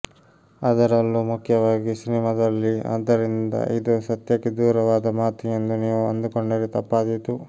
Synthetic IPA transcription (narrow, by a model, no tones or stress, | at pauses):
ɐd̪ɐɾɐlːuːmukʰːjɐʋaːɡisinimɐd̪ɐlːia̰ːd̪ːɐɾind̪ɐ̰ʔid̪usɐt̪jɐkːed̪uːɾɐʋaːd̪ɐmaːt̪ijend̪uniːʋuɐnd̪ukoɳɖeɾet̪ɐpːaːd̪it̪u